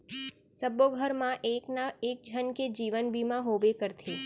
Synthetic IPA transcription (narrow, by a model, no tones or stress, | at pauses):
səboɡʱəɾmãʔeknaek̚d͡ʒʱənked͡ʒiʋənbimãɦobekəɾt̪ʰe